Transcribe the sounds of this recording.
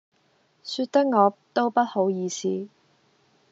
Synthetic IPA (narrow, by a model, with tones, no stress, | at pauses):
sy˧t̚t̪ɐ˥k̚ŋɔː˨˧t̪o˥wpɐ˥t̚ho˨˥wjiː˨˧sʰiː˨˥